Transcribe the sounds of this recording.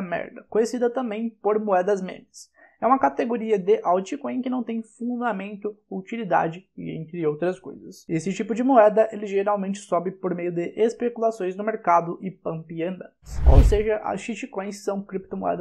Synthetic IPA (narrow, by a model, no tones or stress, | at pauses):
mɛ̰ɾd̪ɐkõjesid̪ɐt̪ɐ̃mbẽj̃poɾmoɛd̪ɐzmḛ̃mɐs | ɛũmɐkat̪eɡoɾiɐd̪ɪʔawt͡ʃikõj̃kɪnɐ̃w̃t̪ẽj̃fũnd̪amẽnt̪ʊut͡ʃilid̪a̰d͡ʒɪɪ̰ḛ̃nt̪ɾɪowt̪ɾɐsko̰jzɐsesɪt͡ʃipʊd͡ʒɪmoɛd̪ɐʔelɪʒeɾawmẽnt͡ʃɪ̥sɔbɪpoɾmejʊd̪ɪʔespekulasõj̃znʊmeɾkad̪ʊʔɪpɐ̃mpiɐ̃nd̪ɐ̰̃ | so̰wseʒɐʔɐ̰sʃit͡ʃikõj̃sːɐ̃w̃kɾip̚t̪omo̰ɛ̰d̪ɐ